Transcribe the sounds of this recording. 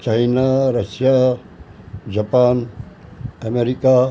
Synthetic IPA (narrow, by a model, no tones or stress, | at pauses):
t͡ʃaːinaɾɐsja | d͡ʒɐpaːn | ɐmeɾika